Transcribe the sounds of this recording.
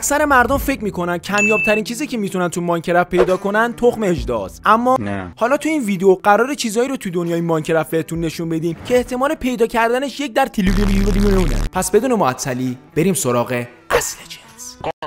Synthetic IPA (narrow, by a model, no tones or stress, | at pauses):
ksæɾe̞mæɾd̪omfe̞cmiːkʰo̞næn̥cʰæmjɒːb̚t̪ʰæɾiːnt͡ʃʰiːziːcʰe̞miːt̪ʰunænt̪ʰumɒːŋcʰe̞ɾæfpʰe̞jd̪ɒːkʰo̞nænt̪ʰoχme̞d͡ʒd̪ɒ̰ːsʔæmːɒːn̰hɒːlɒːt̪ʰuiːnviːd̪eoɢæɾɒːɾet͡ʃʰiːzɒːiːɾot̪ʰud̪o̞njɒːinmɒɲcʰeɾæfbet̪ʰunːe̞ʃunbe̞d̪iːmcʰeːht̪ʰe̞mɒːle̞pʰe̞jd̪ɒːcʰæɾd̪æne̞ʃje̞c̚d̪æɾt̪ʰiliblliuelijuneunḛpʰæsbe̞d̪uːne̞moæt̪ʰːæliːb̥e̞ɾiːmso̞ɾɒːɣe̞ | ʔæsled͡ʒens